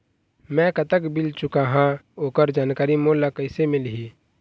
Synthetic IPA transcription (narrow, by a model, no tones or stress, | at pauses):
mɛ̃kət̪əkbɪlt͡ʃʊkaɦãoːkəɾd͡ʒaːnkaːɾimoːlːakəɪsemɪlɦiː